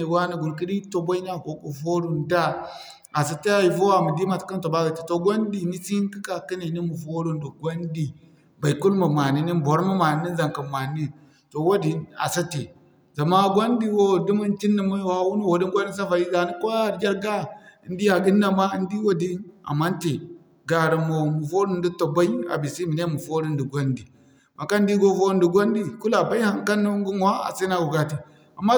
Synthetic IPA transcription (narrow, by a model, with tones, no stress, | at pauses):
wa˦ni˨ɡu˨ɾki˦di˦to˨bo˦i˦na˦˨ɡo˨ku˨fo˦ɾu˨nda˦ | a˨s̬a˨te˦a˨ji˨fo˦wa˨mu˨di˦ma˨tka˦nto˨ba˦ɡa˨ti˨to˨ɡʷo˦ndi˨ni˦si˦n˦ki˦ka˨ki˦ne˨ni˦mu˨fo˦ɾu˦ndo˨ɡʷo˦ndi˨ | ba˨i˨ku˦lmu˨ma˨ni˦ni˦bo˨˦ɾma˦ma˨n˨˦ni˦nza˨ŋkə˨ma˨ni˦ | to˨wo˦di˨na̰˨sa˦te˨ | za˨ma˦ɡo˦ndi˦wo˦˨di˦mu˦nti˦nːi˨ma˦˨ha˦wu˦n˦wo˨wo˨di˦ŋɡʷa˦i˦ns̬a˦fa˨ji˦za˨ni˦ko˦a˨ɾɡʲa˦ɾɡa˦˨˦ndi˦a˨ɡi˦nːa˨ma˦n˦di˦wo˦di˦na̰˨mːa˦nte˨ | ɡa˨ɾi˨mo˨mu˨fo˦ɾi˦n˦di˦to˨ba˦i˦a̰˨bi˨si˦mi˨ne˦mu˨fo˦ɾi˦ndi˨ɡʷo˦ndi˨ | ma˨ka˦n˦di˦ɡo˦fo˦ɾi˦ndi˨ɡʷo˦ndi˦ku˦la˨ba˦i˦ha˨ŋ˦ka˦nːu˦ŋɡu˦ŋ˨wa˦a̰˨si˦na˦ɡu˨ɡa˦ti˨ | a˨mːa˦